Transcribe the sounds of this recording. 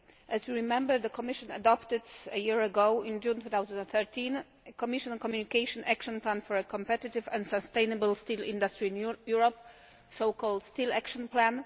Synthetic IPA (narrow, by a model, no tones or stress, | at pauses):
ʔɛzwiɹimɛ̃mbəɹd̪əkʰɔmɪʃɔ̃na̰dɔpt̪ɪd̪əjiɹəɡoʊɪ̃nd͡ʒũnt̪ut̪awzɛ̃nɛ̃nθɛɹt̪ʰĩn | əkɔmɪʃɔ̃nkɔmjunikeɪʃɔ̃nʔækʃɔ̃nplãnfɔɹəkʰɔ̃mpɛt̪ɪt̪ɪvɛ̃ndsast̪ẽjnɛbəlst̪ilḭ̃nd̪astɹiĩnjuɹɔp̚ | soʊkʰɔld̪st̪ilækʃɔ̃nplæ̃n